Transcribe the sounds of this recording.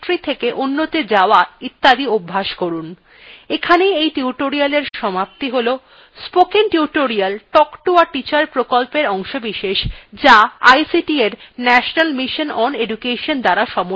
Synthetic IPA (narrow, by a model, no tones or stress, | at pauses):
ʈɾit̪ʰekeʔunːot̪ed͡ʑaoait̪ːad̪iobʱːaʃkoɾun | ekʰanejejʈiuʈoɾialeɾʃɔmap̚t̪iɦolo | spokenʈiuʈoɾialʈɔkʈuaʈit͡ɕaɾpɾokolpeɾɔŋʃobiʃeʃd͡ʑaajsiʈieɾnɛʃonalmiʃonɔneɖukeʃond̪aɾaʃɔmo